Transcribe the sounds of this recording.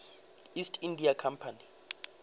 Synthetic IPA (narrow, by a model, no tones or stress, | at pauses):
istʰʼindʱiakʰampʰani